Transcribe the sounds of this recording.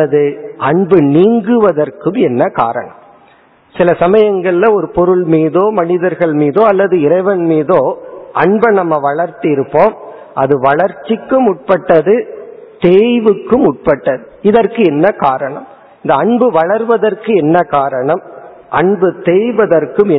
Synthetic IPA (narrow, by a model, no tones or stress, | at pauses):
ɐlɐðɯʔɐɳbɯniːŋɡɯʋɐðɐɾkɯmɛnːɐka̰ːɾɐ̰ɳɐ̰m | sɪlɐsɐmɐjɐŋɡɐɭɪlɐɔɾɯpɔɾɯɭmiːðoːmɐnɪðɐɾɣɐɭmiːðoːɐlːɐðɯɪɾɐɪʋɐnmiːðoːʔɐɳbɐnɐmːɐʋɐɭɐɾt̪ɯɪɾɯpːoːm | ʔɐðɯʋɐɭɐɾt͡ʃːɪkːɯmʊʈ̚pɐʈːɐðɯt̪eːjʋɯkːɯmʊʈ̚pɐʈːɐðɯ | ɪðɐɾkɯɛnːɐkaːɾɐɳɐm | ɪnd̪ɐɐɳbɯʋɐɭɐɾʋɐðɐɾkɯɛnːɐkaːɾɐɳɐm | ʔɐɳbɯt̪eːjʋɐðɐɾkɯmɛ